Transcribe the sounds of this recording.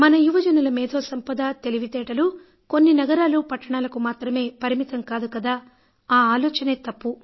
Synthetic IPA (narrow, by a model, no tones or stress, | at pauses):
mɐnɐjuʋɐd͡ʒɐnulɐmiːd̪o̞ːsɐmpɐd̪aːt̪e̞liʋit̪ɛːʈɐlu | ko̞nːinɐɡɐɾaːlupɐʈːɐɳaːlɐkumaːt̪ɾɐme̞ːpɐɾimit̪ɐmkaːd̪ukɐd̪aː | aːaːlɔːt͡ʃɐneːt̪ɐpːu